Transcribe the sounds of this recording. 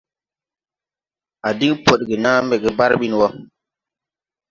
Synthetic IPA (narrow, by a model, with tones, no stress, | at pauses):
a˨di˦ŋpo˨ɗɡe˨na˦mbɛ˨ɡɛ˨ba˦ɾɓi˦n˨wa˦